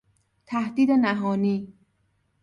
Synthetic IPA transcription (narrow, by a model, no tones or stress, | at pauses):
t̪ʰæhd̪iːd̪enæɦɒːniː